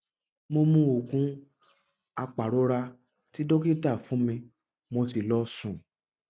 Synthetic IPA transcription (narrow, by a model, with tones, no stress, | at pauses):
mo˧mũ˧˦o˨kũ˨˦ | a˧k͡pa˨ɾo˨˦ɾa˧ | ti˦do˦ke˦ta˦˨fũ˨˦mĩ˧ | mo˧ti˧lɔ˨˦sũ˨